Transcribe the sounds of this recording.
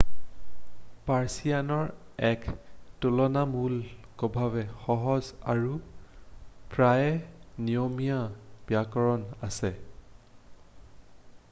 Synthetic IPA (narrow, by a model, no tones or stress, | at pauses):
paɹsijanɔɹɛktulɔnamulkɔbʱaβɛxɔɦɔza̰ɹu | pɹajɛnijomijab̥iakɔɹɔnasɛ